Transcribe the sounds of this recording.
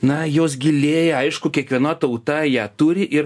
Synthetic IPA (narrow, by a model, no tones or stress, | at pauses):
nɐjoːs̬ɡʲɪlʲeːjɛɐɪʃkʊkʲiɛkʋʲiɛnɐt̪ɐʊt̪ɐjæːt̪uːɾʲɪʔɪɾ